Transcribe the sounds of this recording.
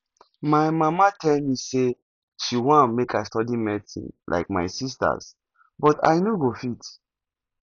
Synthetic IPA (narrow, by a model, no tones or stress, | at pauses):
majmamatʰɛlmise | ʃiwãnmekʰastɔdimɛtḭ̃nlʔa̰ɪkma̰ɪsis̬ta̰s | bɔta̰jnoɡofit